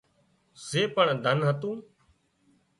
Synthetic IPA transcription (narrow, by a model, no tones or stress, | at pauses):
seːpəɳd̪ʱənɦət̪ũː